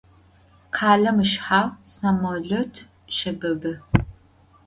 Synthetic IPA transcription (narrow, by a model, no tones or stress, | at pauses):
qʰaːɮɐmɨʃħaːsamoɮɔtʰ | ʃɐbɐbɐ